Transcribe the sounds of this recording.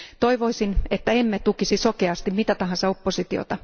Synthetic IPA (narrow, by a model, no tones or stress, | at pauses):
t̪oiʋoisinet̪ːæemːet̪ukisisokeɑst̪immit̪æt̪ɑɦɑnsɑopːosit̪io̰t̪ɑ